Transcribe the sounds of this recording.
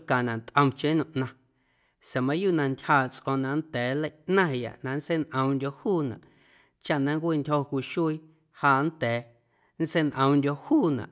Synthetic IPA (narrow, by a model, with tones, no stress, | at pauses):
kã˨nã˨t̪ʔə̃˧mt͡ʃẽ˦nũ˧˨ʔnã˧ | se˨mã˧˦ju˦ʔnã˧ntʲhaː˧˨t͡sʔõ˧nã˧nd̪ɛː˨˦lə˧jnã˦˨ja̰˨ʔnã˧n˦se˦nʔə̃˧m˧ndʲo˧huː˦˨nã̰˨ʔ | t͡ʃa˦ʔnã˧ŋkʷi˧ntʲhõ˧kʷi˧ʃu˦i˧ | haː˧˨nd̪ɛː˨ | n˦se˦˧nʔə̃˧m˧ndʲo˧huː˦˨nã̰˨ʔ